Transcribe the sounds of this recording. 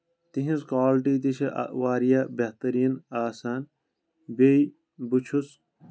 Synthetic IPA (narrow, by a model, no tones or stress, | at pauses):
t̪iɦĩskaːlʈiːt̪iʃʰɐʔwaːɾijabɐht̪ɐɾiːnaːsaːn | bej | but͡ʃʰus